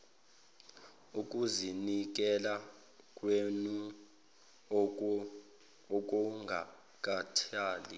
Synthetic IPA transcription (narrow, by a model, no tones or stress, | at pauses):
ukʼuzinik̬ʼɛla | kʼwenu | ɔk̬ʼɔŋɡʱa | k̬ʼatʰaːli